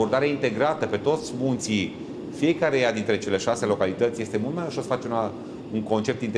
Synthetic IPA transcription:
o̞rd̪aɾeaint̪e̞ɡɾat̪əpe̞t̪o̞t̪sʲmunt̪si | fije̞kaɾe̞jad̪int̪ɾe̞t͡ʃe̞le̞ʃase̞lo̞kalit̪ət̪sʲjest̪e̞mult̪̚majuʃosəfat͡ʃeuna | uŋko̞nt͡ʃe̞p̚t̪int̪

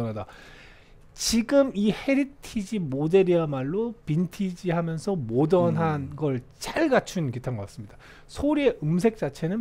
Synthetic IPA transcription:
ʌnada | t͡ɕiɡɯmihe̞ɾitʰid͡ʑimode̞ɾiamaɭːopintʰid͡ʑihamjʌnsʰʌmodʌnɦanɡʌɭt͡ɕ͈aɭɡat͡ɕʰunkitʰanɡʌk͈as͈ɯmɲid̥a | sʰoɾie̞ʔɯms̬ʰe̞k̚t͡ɕ͈at͡ɕʰe̞nɯn

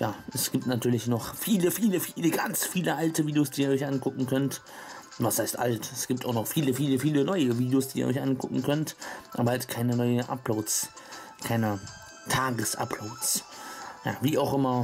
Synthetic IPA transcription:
jaːʔɛsɡ̥iːp̚tnatʰyːɐlɪçnɔχfiːləfiːləfiːləɡant͡sfiːləʔaltəviːdejoːsd̥iːiːɐɔʏçʔankʊkŋ̩kʰœnt | vashaɪstʔa̰ltɛsɡ̥iːp̚tʰaʊxnɔχfiːləfiːləfiːlənɔʏəviːdjoːsd̥iːiːɐɔ̰ʏçʔankʰʊkŋ̩kʰœntʔaːbɐhaltkʰaɪnənɔʏənʔa̰ploːt͡s | kʰaɪnə | tʰaːɡəsʔa̰ploːt͡s | ja̰ːviːaʊxʔɪmɐ

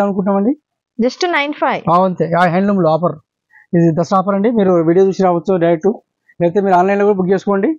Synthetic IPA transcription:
ɐnukuɳʈ̬ːaːmɐɳɖi | d͡ʒɐsʈnɐjnpʰajaːwɐnt̪eːaːɦɐjɳɖlumluaːp̬ɐɾ | id̪id̪ɐsʈaːp̬ɐɾɐɳɖimiːɾuʋiːɽijoːd͡ʒ̪ust͡ʃiɾaːʋɐt͡ʃːuɖɐjɾek̚ʈu | lɛːkɐt̪eːmiːɾaːnlajnloːkuːɽɐbuɡd͡ʒeːsu̥koːɳɖi

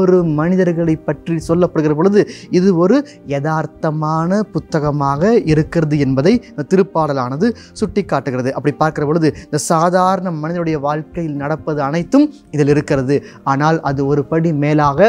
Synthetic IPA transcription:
ɔɾɯmɐnɪðɐɾɣɐɭɐɪpːɐʈrisɔlːɐpːɐɽɯɣɪrɐp̬ɔɻɯðɯɪðɯɔɾɯ | jɐðaːɾt̪ɐmaːnɐpʊt̪ːɐɣɐmaːɣɐɪɾɯkːɪrɐðɯɛnbɐðɐɪɪnd̪ɐt̪ːɪɾɯpːaːɽɐlaːnɐðɯ | sʊʈːɪkːaːʈːɯɣɪrɐðɯʔɐpːɐɽipːaːɾkɪrɐpɔɻɯðɯɪnd̪ɐsaːðaːɾɐɳɐmɐnɪðɐnɯɽɐjɐʋaːɻkɐjɪlnɐɽɐpːɐðɯɐnɐɪt̪ːɯm | ɪðɪlɪɾɯkːɪrɐðɯaːnaːlʔɐðɯɔɾɯpɐɽimeːlaːɣɐ

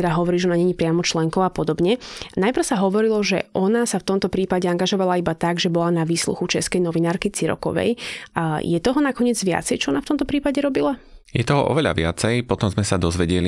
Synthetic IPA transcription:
ɛd̪aɦɔʋɔɾiːʒɛɔnaɲɛɲipɾɪamɔt͡ʃlɛŋkɔʊapɔd̪ɔbɲɛnajpr̩saɦɔʋɔɾilɔʒɛ̰ʔɔnasaft̪ɔmt̪ɔpɾiːpaɟɛaŋɡaʒɔʋalaibat̪aɡʒɛbɔlanaʋiːslṵxut͡ʃɛskɛjnɔʋinaːɾkit͡siɾɔ̰kɔ̰ʋɛ̰j | jɛt̪ɔɦɔnakɔɲɪɛd͡zʋɪa̰t͡sɛjt͡ʃɔɔnaft̪ɔmt̪ɔpɾiːpaɟɛɾɔbilajɛt̪ɔɦɔʔɔ̰ʋɛʎa̰ʋɪa̰t͡sɛjpɔt̪ɔmzmɛsad̪ɔzʋɛɟɛli

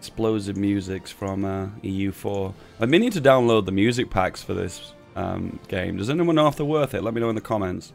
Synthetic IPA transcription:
ksploʊzɨvmjʉzɪksfɹʌ̃mʌijʉfɔɹ | minid̚tʰɨdãʊ̃nloʊd̪̚ðəmjʉzɨk̚pʰæksfə˞ðɪ̰s | ʌ̰̃mɡ̥ḛ̃ɪ̃mdʌzɛniwʌ̃nɑfðəwɜ˞θɪʔlʔɛt̚minoʊɨ̃nðəkʰɑmɛ̃nts

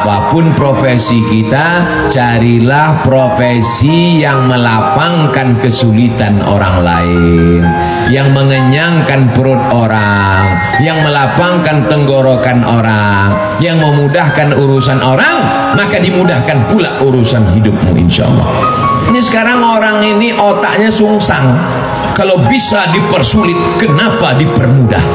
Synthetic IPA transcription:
apapʊnpɾofesikit̪a | t͡ʃaɾilahpɾofe | si | jaŋməlapaŋkankəsulit̪ano̰ɾa̰ŋla̰ɪn | jaŋməŋəɲaŋkanpəɾʊt̪̚oɾa | ŋ | jaŋməlapaŋkant̪əŋɡoɾokanʔoɾa | ŋ | jaŋməmudahkanuɾusanʔoɾaŋ | makadimudahkanpulaʔuɾusanɦidʊp̚mṵʔḭnʃa̰ʔlˠːɑ̰h | inisə̥kaɾaŋoɾaŋiniʔot̪a̰ʔɲasuŋsaŋ | kalawbisadipərsulɪt̪̚kənapadipərmuda̰h

